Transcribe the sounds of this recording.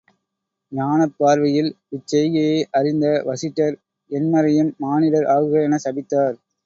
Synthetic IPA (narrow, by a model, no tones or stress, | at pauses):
ɲaːnɐpːaːɾʋɐjɪlʋɪt͡ʃːɛjeʔɐrɪnd̪ɐʋɐsɪʈːɐɾ | ɛnmɐɾɐjɪnmaːnɪlɐɾʔaːɣɯɣɐɛnɐsɐbɪt̪ːaːɾ